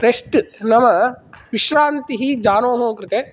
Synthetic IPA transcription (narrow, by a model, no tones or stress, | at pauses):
ɾeʂʈɨnɐmɐʋiʃɾaːnt̪iɦid͡ʒaːnoːɦoːkɾɨt̪e